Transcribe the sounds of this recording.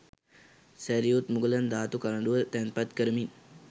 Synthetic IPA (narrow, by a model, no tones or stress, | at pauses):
sæɾijut̪muɡələnd̪aːt̪ukaləɖuʋət̪ænpat̪kəɾəmin